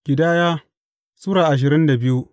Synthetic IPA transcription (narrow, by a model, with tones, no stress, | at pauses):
ɡ̥ʲɪ˨daː˦jaː˦ | suː˦ɾaː˨ʔa˨ʃ̬ɪ˨ɾɪ˦nda˨bɪ˦ju˦